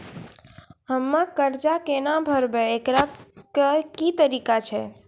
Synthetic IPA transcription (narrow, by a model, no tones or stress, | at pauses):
ɦəmːãkəɾd͡ʒakenabʱəɾbeekɾakəkit̪əɾikat͡ʃʰe